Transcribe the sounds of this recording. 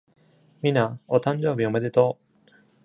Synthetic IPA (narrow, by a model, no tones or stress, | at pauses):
mʲinaot̪ãɲ̟d͡ʑo̞ːbʲiomed̪et̪o